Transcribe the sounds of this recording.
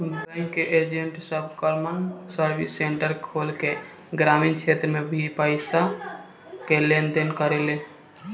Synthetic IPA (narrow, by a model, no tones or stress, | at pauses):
bɛ̃ŋkːeʔeːd͡ʒẽɳʈsəbkɔɾmənsəɾbɪsːẽːɳʈəɾkʰoːlke | ɡɾaːmiːnt͡ʃʰeːt̪ɾəmẽbʱipəɪsa | keleːnd̪enkəɾeleː